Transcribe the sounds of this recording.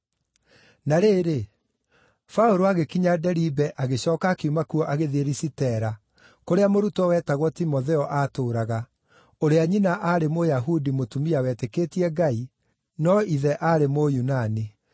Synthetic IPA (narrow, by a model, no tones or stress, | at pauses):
naɾeːɾe | fauɾoaɣekiɲadɛɾibɛʔaɣeɕɔːkakeumakuɔʔaɣeðeɾisitɛɾa | koɾeamoɾutɔwɛːtaɣwɔtimɔðɛɔʔaːtoːɾaɣa | oɾeaɲinaʔaɾemojaɦudimotumiawɛːtekeːtiɛɡai | nɔiðɛʔaɾemojunani